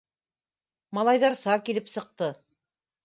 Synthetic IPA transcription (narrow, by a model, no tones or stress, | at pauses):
mɑlˠɑjðɑɾsɑkilɘpsɤ̆q̚t̪ɤ